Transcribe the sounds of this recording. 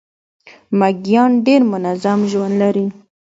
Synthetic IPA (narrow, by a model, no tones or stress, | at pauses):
maɡjɑnɖeɾmʊnazamʒwand̪laɾi